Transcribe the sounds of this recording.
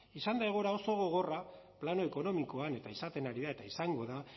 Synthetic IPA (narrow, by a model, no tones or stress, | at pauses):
isand̪ajɣoɾao̞so̞ɣ̞o̞ɣ̞o̞ra | plano̞eko̞no̞miko̞ane̞t̪aisat̪e̞naɾiðaet̪aisaŋɡo̞ða